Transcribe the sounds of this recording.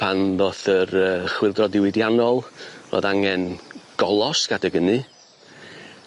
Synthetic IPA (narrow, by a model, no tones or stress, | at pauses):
pʰanðoːθəɾəːχwɪlˠdrɔdɪwɪdjanɔlˠvo̰ðaŋɛnɡ̥ɔlˠɔsɡ̥adəɡənɨ